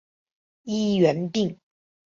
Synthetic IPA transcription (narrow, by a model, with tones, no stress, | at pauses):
i˥ɥɛ˧˥nt̪i˥˨ŋ